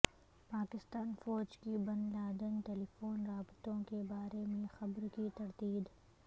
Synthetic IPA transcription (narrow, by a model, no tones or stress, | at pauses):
paːkɪst̪aːnfɔːd͡ʒkibɐnlaːd̪ənʈeːlifoːnɾaːbt̪õkebaːɾemẽxɐbɾkit̪ɐɾt̪iːd̪